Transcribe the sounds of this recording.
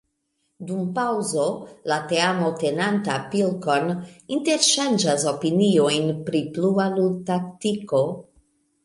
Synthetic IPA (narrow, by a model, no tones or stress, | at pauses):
dumpawzo̞late̞amote̞nantapilkoninte̞ɾʃand͡ʒaso̞pinio̞jnpɾiplualutaktiko̞